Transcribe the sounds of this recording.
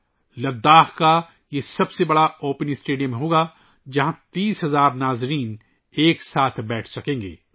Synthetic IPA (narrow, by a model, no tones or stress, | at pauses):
lɐd̪ːaːxka | jesɐbsebɐɽaoːpnisʈeːɖijəmẽɦoːɡa | d͡ʒɐɦãt̪iːsɦɐzaːɾnaːzɾiːn | eːksaːt̪ʰbɛːʈʰsɐkẽːŋɡḛː